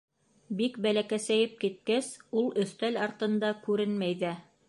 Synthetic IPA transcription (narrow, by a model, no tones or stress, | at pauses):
bikbælækæsæjɘp̚kit̪̚kæsulˠɵ̆θt̪ælɑɾt̪ɤ̆nd̪ɑkʉɾɘnmæjðæ